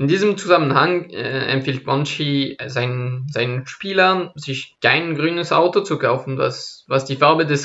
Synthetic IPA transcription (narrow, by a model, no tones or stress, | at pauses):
ʔɪndiːzəmt͡suzamənhaŋɛʔɛ̰mfiːlt̚bɔnt͡ʃizaɪnənzaɪnənʃpiːlɐnzɪçkʰaɪnɡʁyːnəsʔa̰ʊtot͡sukʰaʊfn̩va̰svasd̥iːfaɐbədɛs